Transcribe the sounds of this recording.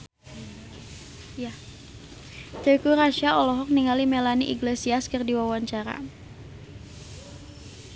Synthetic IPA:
ja | t̪əkuɾaʃaɔlɔɦɔk̚niŋalimelaniʔḭɡlesiaskɨrdiwawaɲt͡ʃaɾa̰

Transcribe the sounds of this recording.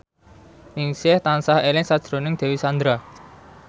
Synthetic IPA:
ɪŋsɛht̪ansahelɪŋsad̥ʒ̥ɾonɪŋd̪̥ɛ̤wisand̪ɾa

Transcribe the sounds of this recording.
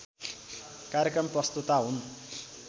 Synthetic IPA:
kaɾjekrʌmprʌst̪ut̪aɦun

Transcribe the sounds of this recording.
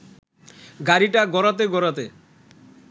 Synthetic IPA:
ɡaɾiʈaɡɔɾat̪̬eɡɔɾat̪e

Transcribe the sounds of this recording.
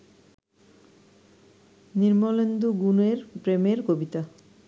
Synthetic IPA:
niɾmolend̪uɡuneɾpɾemeɾkobit̪a

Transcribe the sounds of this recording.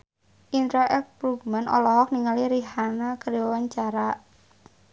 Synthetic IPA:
ʔint̪ɾaʔɛk̚pɾuɡmanʔɔ̰lɔɦɔk̚niŋaliɾiɦanakəɾiɔwant͡ʃaɾa

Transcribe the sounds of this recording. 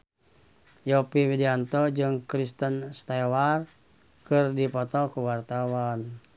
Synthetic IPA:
jɔpiwidiant̪ɔd͡ʒɨŋkɾist̪ənst̪ɛwar | kɨrdipɔt̪ɔkuwart̪awan

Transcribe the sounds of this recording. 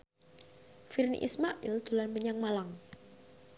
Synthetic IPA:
firnḭʔḭsmaʔild̪̥o̤lanpəɲaŋmalaŋ

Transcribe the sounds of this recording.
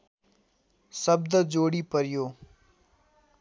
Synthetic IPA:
səb̚d̪əd͡ʒoːɽiːpəɾɪjoː

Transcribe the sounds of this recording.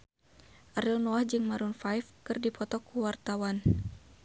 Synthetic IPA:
ʔaɾilnɔahd͡ʒɨŋmaɾunfajfkɨrdipɔt̪ɔkuwart̪awan

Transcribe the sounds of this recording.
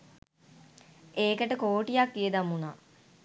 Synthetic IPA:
eːkəʈəkoːʈijakːijəd̪amuna

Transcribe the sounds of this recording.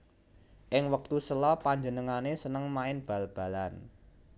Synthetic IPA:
ʔɪŋwək̚t̪usəlɔpaɲd͡ʒənəŋanesənəŋmaɪnb̥ä̤lb̥ä̤lan

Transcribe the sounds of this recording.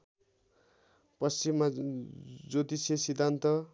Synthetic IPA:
pʌst͡simːa | d͡zot̪isesid̪ʱːant̪ʌ

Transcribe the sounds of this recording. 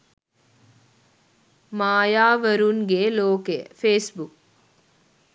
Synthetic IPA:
maːjaːʋəɾuŋɡeːloːkefeːsbuk

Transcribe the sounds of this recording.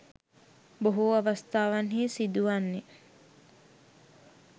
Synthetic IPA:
boɦuaʋast̪aːʋanɦiːsid̪uʋanːe

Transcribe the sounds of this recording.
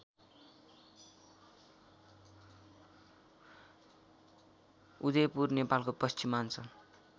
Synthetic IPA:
ud̪epurnepalkopʌst͡simant͡sʰʌ

